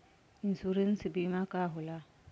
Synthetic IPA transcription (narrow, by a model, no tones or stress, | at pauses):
insuɾənsbimãkaɦola